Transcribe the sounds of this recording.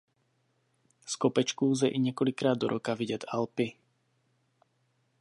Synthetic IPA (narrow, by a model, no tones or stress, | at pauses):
skɔpɛt͡ʃkuːzɛʔiɲɛkɔlikɾaːd̪ːɔɾʔɔkaʋiɟɛd̪alpi